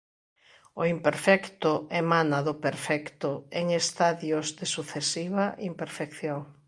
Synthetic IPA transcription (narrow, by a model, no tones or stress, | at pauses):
oimpeɾfɛkt̪ʊemanaðʊpeɾfɛkt̪ʊeŋest̪aðjʊzðesuθesiβaʔimpeɾfekθjoŋ